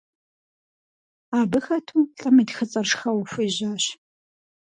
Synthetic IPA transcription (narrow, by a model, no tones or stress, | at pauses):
aːbɨxɐtʰuːɬʼɐmidxɨt͡sʼɐrʂxɐwfʷʊjʑaːɕ